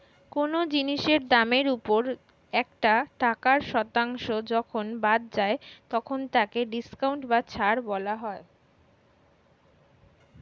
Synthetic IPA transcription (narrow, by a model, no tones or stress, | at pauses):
konod͡ʑiniʃeɾd̪ameɾupoɾ | ɛk̚ʈaʈakaɾʃɔt̪aŋʃod͡ʑɔkʰonbad̪̚d͡ʑaet̪ɔkʰont̪akeɖiskawɳʈbat͡ɕʰaɾbɔlaɦɔe